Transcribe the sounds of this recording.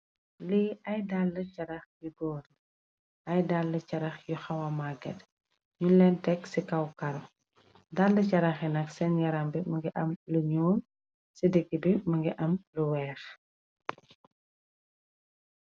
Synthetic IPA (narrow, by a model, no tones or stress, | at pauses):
liːɐjdalːəcɐɾɐxjubɔːr | ɐjdalːəcɐɾɐxjuxɐwɐmaɡɛ̰d | ɲunlɛntɛksikɐwkɐɾɔ | dalːəcɐɾɐxinɐksɛnjɐɾambimɐŋɡiʔɐmluɲɔːn | sidiɡibimɐŋɡiʔɐmluwɛːx